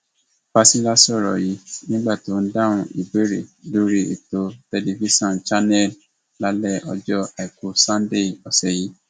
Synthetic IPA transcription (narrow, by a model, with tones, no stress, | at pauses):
pa˧sĩ˦la˦si˦ɔ˦˨ɾɔ̰˨ji˨˦nĩ˦ɡ͡ba˦˨to˨˦n̩˦da˦˨ũ˧ḭ˨be˦ɾi˨do˦ɾi˦ḭ˨to˧te˧li˧vi˦sɔ̃˦˨nt͡ʃa˦nɛ˦˨l | la˨˦lɛ˦˨ɔ˧d͡ʒɔ˦a˨i˨ku˨sã˦n˦de˦˨ɔ˨sɛ˨ji˨˦